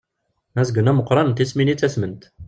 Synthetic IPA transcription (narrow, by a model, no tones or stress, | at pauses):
mæzəɡənæməqːɾˤɑnt̪isminit͡sːæsmənt̪